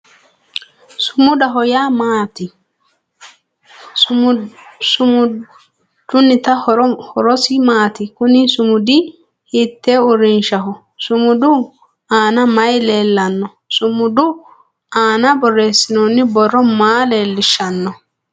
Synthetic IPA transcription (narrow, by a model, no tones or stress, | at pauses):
sʊmʊdɐɦɔjaːmaːt̪ɪ | d̪̥ʊnːɪt̪ɐɔhɔɾɔsɪmaːt̪ɪkʊnɪsʊmʊd̪i | hit̪ːeːʊrːɪnʃɐɦɔ | sʊmʊd̪u | aːnɐmɐjleːlːɐnːɔ | sʊmʊd̪u | aːnɐbɔrːe̞ːsːɪnonːɪbɔrːɔmaːle̞ːlːɪʃːɐnːɔ